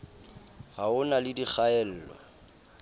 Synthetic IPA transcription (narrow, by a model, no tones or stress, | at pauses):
haʊnalɪdik͡xaɛl̩ːlɔ̰